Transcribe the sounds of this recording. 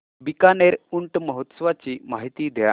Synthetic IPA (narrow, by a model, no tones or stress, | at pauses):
bikaneɾuɳʈməɦot̪sʋat͡ɕimaɦit̪iːd̪ʱja